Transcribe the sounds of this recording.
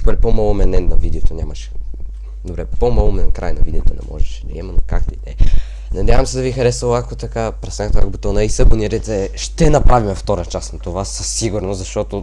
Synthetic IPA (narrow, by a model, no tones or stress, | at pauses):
kɔlipomalˠomɛnɛnvɐvid̪ɛot̪onʲamɐʃɛ̥ | d̪obɾɛpomalˠomɛnɛnkɾa̰jnɐvid̪ɛot̪onɛ̰mʔɔ̰ʒɛʃɛnɛ̰ɛmɐnokakd̪ɐid̪ɛ | nɐd̪ʲjavɐmsɛd̪ɐvixɐɾɛsvəlˠakot̪ɐkapɾɛsɛnɛt̪a̰kbot̪ɔnɐisəboniɾɛt̪ɛʃt̪ɛnɐpɾavimɛft̪ɔɾət͡ʃasnɐt̪ovasːəsːiɡuɾnoszɐʃt̪ɔt̪o